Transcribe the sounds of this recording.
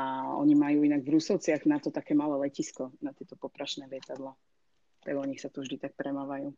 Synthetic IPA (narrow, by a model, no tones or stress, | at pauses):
aɔ̰ɲimajuːinaɡvɾusɔʊt͡sɪaɣnat̪ɔt̪akɛːmalɛːlɛciskɔnat̪ɪɛt̪ɔpɔpɾaʃnɛːlɪɛt̪ad̪la | t̪a̰ɡɔɲixsat̪ɔvʒd̪it̪ak̚pɾɛmaʋajuː